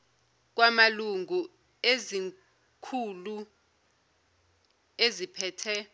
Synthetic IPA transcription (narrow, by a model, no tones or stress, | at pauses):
k̬wamaluŋʱu | ezi | kʰulu | ezipʰɛːtʰɛ